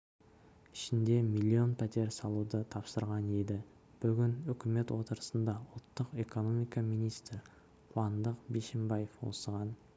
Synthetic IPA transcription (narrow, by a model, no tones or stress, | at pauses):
ɪʃɪnd̪e̞milʲːio̞npʰæt̪e̞ɾsɑlˠud̪ət̪ʰɑpsəɾʁɑned̪ɪ | b̥ʏɡʲɪnʏkʲɪme̞t̪wot̪əɾəsənd̪ɑʊlˠt̪ːəqe̞ko̞no̞mijkɑmijnijst̪r | qʰwɑnd̪əqbeʃembajefwo̞̰səʁɑn